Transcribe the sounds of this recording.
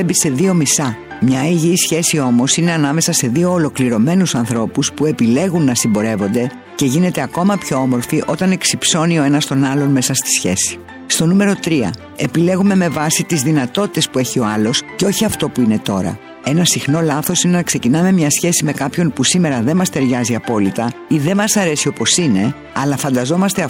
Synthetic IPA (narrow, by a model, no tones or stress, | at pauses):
ebise̞ðio̞misɐ | mɲɐiʝisçe̞sio̞mo̞sine̞ɐnɐme̞sɐse̞ðio̞ːlo̞kliɾo̞me̞nusɐnθɾo̞puspue̞pile̞ɣunːɐsimbo̞ɾe̞vo̞nd̪e̞ | ce̞ʝine̞t̪e̞ɐko̞mɐpço̞omo̞ɾfiʔo̞t̪ɐne̞ksipso̞nio̞e̞nɐst̪o̞nɐlo̞nme̞sɐst̪i̥sçe̞̰si̥ | st̪o̞nume̞ɾo̞t̪ɾiɐ̰ | e̞pile̞ɣume̞me̞vɐsit̪izðinɐt̪o̞t̪i̥t̪e̞spue̞çio̞ɐlo̞sceo̞çiɐft̪o̞puine̞t̪o̞ɾɐ̰ | e̞nɐsixno̞lɐθo̞sinenɐkse̞cinɐmemɲɐsçe̞sime̞kɐpço̞npusime̞ɾɐðe̞mɐst̪e̞ɾʝɐziɐpo̞lit̪ɐ | iðe̞mɐsɐɾe̞sio̞po̞sine̞ | ɐlɐfɐnd̪ɐzo̞mɐst̪e